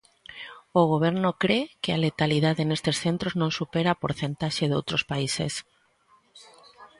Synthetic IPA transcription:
oɣ̞oβ̞eɾnʊkɾekɪalet̪aliðaðenest̪esθent̪ɾoznõŋsupeɾapoɾθent̪aʃeðo̰wt̪ɾospaisḛs

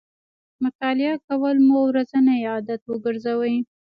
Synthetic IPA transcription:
mʊt̪ɑlɪakawəlmowɾazanaɑd̪at̪wəɡəɾzawəj

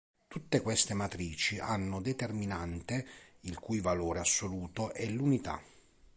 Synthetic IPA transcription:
t̪ut̪ːekwɛst̪emat̪ɾiːt͡ʃiʔanːod̪et̪erminant̪eilkujvaloːɾeasːoluːt̪oʔɛlunit̪a̰

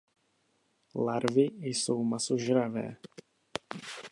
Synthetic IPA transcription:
laɾvɪjsowmasoʒɾavɛ̰ː

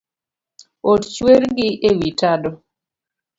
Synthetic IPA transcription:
ott͡ʃweɾɡɪewitadɔ

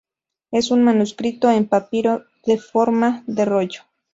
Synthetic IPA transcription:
e̞sunmanuskɾit̪oempapiɾo̞ | ðe̞foɾmaðe̞roʝo̥

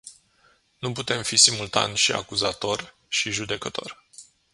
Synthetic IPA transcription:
nuput̪e̞mfisimult̪a̰nʲʃia̰kuzat̪o̞r | ʃiʒud̪e̞kət̪o̞̰rʲ

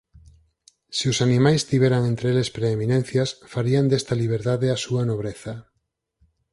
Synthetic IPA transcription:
siʊsanĩmajst̪iβeɾaŋent̪ɾeelespɾeːminẽn̟θjasfaɾiand̪est̪ɐliβ̞eɾðaðeasuanoβɾeθa

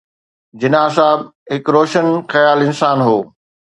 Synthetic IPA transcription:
d͡ʑɪnaːsaːbɦɪkɾoːʃənxɐjaːlɪ̃nsaːnɦoː

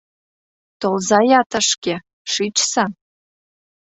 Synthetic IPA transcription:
t̪ʰolzajatʰɐʂkʲe | ʂit͡ʃʰʼsa

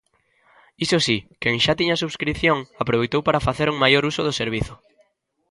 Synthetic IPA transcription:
isosikeŋʃat̪iɲɐsuβskɾiθjoŋapɾoβ̞ejt̪owpaɾafaθeɾuŋmajoɾusʊðʊseɾβ̞iθʊ

